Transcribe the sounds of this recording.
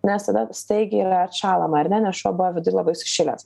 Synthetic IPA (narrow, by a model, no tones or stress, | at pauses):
nʲɛst̪ɐd̪ɐst̪ɐɪɡʲɪiːɾɐɐɾʃɑːlˠɐmɐɐɾnʲɛnʲɛsoːbʊʋɐʋʲɪd̪ʊɪlˠɐbɐɪsʊ̥ʃʲɪlʲɛ̰s